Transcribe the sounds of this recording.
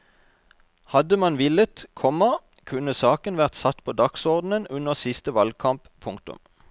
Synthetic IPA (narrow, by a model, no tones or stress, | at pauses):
hɑd̪əmɑnʋɪlət̪kʰɔmɑ | kʰʉnəsɑːkənʋæʁt̪sɑt̪pʰoːd̪ɑksɔʁd̪n̩ənʉnəʁsɪst̪əʋɑlkʰɑmppʰʊŋkt̪ʉ̰m